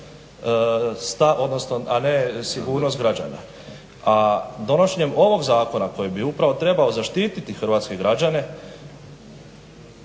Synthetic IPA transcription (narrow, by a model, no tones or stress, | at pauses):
st̪aʔo̞d̪no̞sno̞ʔane̞siɡuːɾnost̪ɡɾad͡ʑa̰na̰ | ad̪o̞no̞ʃeɲe̞mo̞ʋo̞ɡzaːko̞nako̞jibiupɾaʋo̞t̪ɾe̞baozaʃt̪iːt̪it̪ixr̩ʋaːt̪ske̞ɡɾad͡ʑane̞